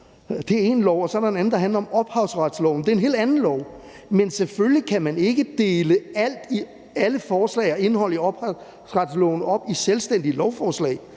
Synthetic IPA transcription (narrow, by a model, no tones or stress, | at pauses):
d̥e̝æɐe̝nlɒʊ̰ɒsɒ̽ɐɾɑe̝næn̩d̥ɑ̈ɦænlɐɒ̽mɒ̽b̥hɑ̈ʊsʁɑd̥slɒʊn̩d̥e̝ɐe̝nɦe̝̰ːld̥ænn̩lɒʊ̰ | menseføllikʰæmæne̝ɡ̥əd̥e̝ːləæl̰d̥i | æləfɒːslɛ̰ɪɒ̽e̝nəɦɒ̽l̰iɒ̽b̥ | sʁɑd̥slɔ̰ʊn̩ɒ̽b̥iselsd̥en̰d̥iəlɒʊfɒːslɛ̰ɪ